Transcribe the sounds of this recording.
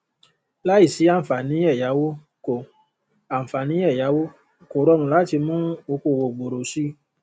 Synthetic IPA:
la˦i˦˨si˨˦ã˦˨fa˨nĩ˨˦ɛ˦˨ja˨˦wo˦ | ko˨ | ã˨fa˨nĩ˨˦ɛ˦˨ja˨˦wo˦ | ko˨ɾɔ˧nũ˨la˨˦˨ti˧mũ˦o˧ko˧˨wo˨ɡ͡bo˨ɾo˨si˦

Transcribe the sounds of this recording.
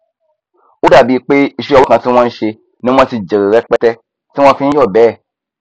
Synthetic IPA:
u˦da˨bi˨˧˦k͡pe˦i˧ʃi˦ɔ˧wo˦kã˨si˦w̃ɔ̃˧n̩˦ʃe˧ | nĩ˦ã˧˦si˧d͡ʒe˨ɾe˨ɾɛ˦k͡pɛ˦tɛ˦ | sĩ˦ɔ̃˧˦fĩ˦ĩ˦d͡ʒɔ˦˨bɛ˨˦˨

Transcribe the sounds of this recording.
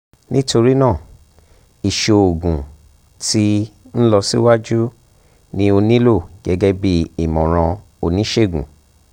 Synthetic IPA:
nĩ˦to˧ɾi˦nãː˦˨ | i˨ʃo˨˧o˨ɡũ˨ | ti˦n̩˦lɔ˧si˦wa˦d͡ʒu˦ | nĩ˧˦o˧nĩ˦lo˦˨ɡ̥ɛ˨˦ɡɛ˦bi˦i˨mɔ̃˨ɾ̃ã˧ | o˧nĩ˨˦ʃe˦˨ɡṵ̃˨

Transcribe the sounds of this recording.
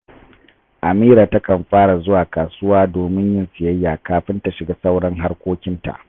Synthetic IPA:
ʔa˨miː˦ɾaː˨ta˦kɐ˨mɸaː˦ɽa˨zʊ˦waː˨kaː˨sʊ˦waː˦doː˨mɪ˦ɲjɪ˦nsɪ˨jɐ˦jːaː˨kaː˨ɸɪ˦nta˨ʃɪ˨ɡaː˦sa˦wɽɐ˦ŋɦa˦rkʷoː˦kʲɪ˦nta̰˨ʔ

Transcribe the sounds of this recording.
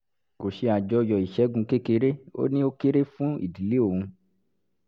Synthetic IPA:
ko˨ʃe˧a˨d͡ʒɔ˧jɔ˨i˨ʃɛ˨˦ɡũ˧ke˦ke˧ɾe˦o̰˦nĩ˦o˦ke˦ɾe˦fũ˦ḭ˨di˨li˦o˦˨ũ˧

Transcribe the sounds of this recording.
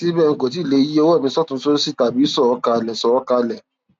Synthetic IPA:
ti˦bɛ˦˨ŋ̩˨ko˨t̬i˨˦˨le˧˦i˦o˦wɔ˦˨mĩ˧sɔ˦˨tũ˧˦so˦ɾi˦si˦˨ta˨bi˨˦sɔ˦˨ɔ˧˦ka˧lɛ˨sɔ˨ɔ˦ka˧lɛ˨

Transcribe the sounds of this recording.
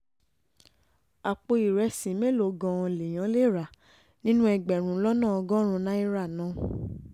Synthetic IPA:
a˨k͡po˧i˨ɾɛ˧sĩ˨˦me˦lo˨ɡã˧le˨j̃ã˨˦le˦˨ɾa˨ | nĩ˦nũ˦ɛ˧ɡ͡bɛ˨ɾ̃ũ˨˦lɔ˦nã˦˨ɔ˧ɡɔ̃˦ɾ̃ũ˧nã˦i˦ɾa˦˨nã˨˦

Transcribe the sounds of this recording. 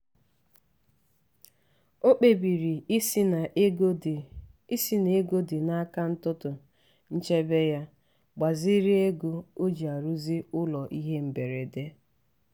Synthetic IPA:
o˦k͡pe˨bi˨ɾi˨˦na˨ | i˦si˦n˨e˦ɡo˦dɪ˨na˦a˦ka˦n̩˦tʊ˦tʊ˨ | n̩˦t͡ʃe˦be˦ja˦ | ɡ͡ba˨zi˦ɾi˦e˦ɡu˦o˦d͡ʒi˨a˨ɾu˦zi˦ʊ˦lɔ˨ʔi˦ɦe˦m̩˨be˨ɾe˨de˦

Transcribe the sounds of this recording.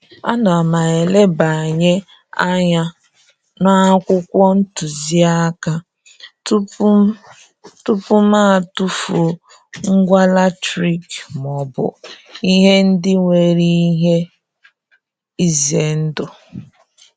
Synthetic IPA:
a̰˦na˨a˨ma˨e˨le˦ba˨a˨ɲe˦ | a˦ɲa˦ | na˦a˦kʷʊ˦kʷɔ˦n̩˦tu˨zi˦a˦ka˦ | t | tʊ˦pʊ˦ma˦˨tu˦fu˨ | ŋ̩˦ɡʷa˦la˦tɾi˨km˨ɔ˨bʊ̰˨i˦ɦe˦n̩˦dɪ˦ŋʷe˨ɾi˦i˦ɦe˦ | i˦ze˨n̩˦dʊ˨

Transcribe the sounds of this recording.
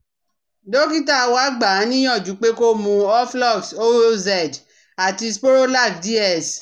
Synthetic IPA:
do˦ki˦ta˦˧wa˦ɡ͡ba˨˦nĩ˦ɔ̃˦˨d͡ʒu˨˦k͡pe˦ko˦mũ˧ɔ˦flɔ˦˨fso˦o˦zɛ˦˨d | a˨ti˧spo˦ɾo˦la˦˨kdi˦ɛ˦˨s

